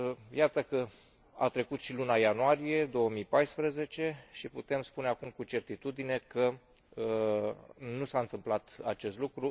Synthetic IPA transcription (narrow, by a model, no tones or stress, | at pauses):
jat̪əkə | a̰t̪ɾe̞kut̪ʃilunajanuaɾije̞d̪o̞əmipajspɾəze̞t͡ʃe̞ʃiput̪e̞mspune̞akumkut͡ʃe̞rt̪it̪ud̪ine̞kə | ə | nusaɨnt̪ɨmplat̪a̰t͡ʃe̞st̪lukɾu